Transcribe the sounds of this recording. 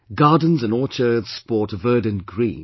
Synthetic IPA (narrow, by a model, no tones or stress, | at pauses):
ɡɑɹdⁿn̩zɨ̃nɔɹt͡ʃə˞ðz̥spɔɹtvɜ˞d̃ⁿn̩ɡɹḭ̃n